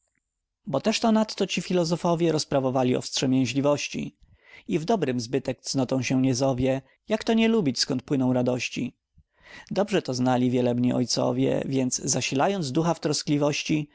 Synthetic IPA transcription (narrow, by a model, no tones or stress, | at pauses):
bɔt̪ɛʂt̪ɔnat̪ːɔt͡ɕifʲilɔzɔfɔvʲjɛɾɔspɾavɔvalʲiɔ̰fstʂɛmʲjɛ̃w̃ɕlʲivɔɕt͡ɕḭ | ivd̪ɔbɾɘmzbɘt̪ɛkt̪snɔt̪ɔ̃w̃ɕɛɲɛzɔvʲjɛ | jakt̪ɔɲɛlubʲit͡ɕskɔnt̪̚pwɘnɔ̃w̃ɾad̪ɔɕt͡ɕi | d̪ɔbʐɛt̪ɔznalʲivʲjɛlɛbɲiʔɔ̰jt̪sɔ̰vʲjɛ̰vʲjɛnd̪zzaɕilajɔnd̪zd̪uxaft̪ɾɔsklʲivɔɕt͡ɕi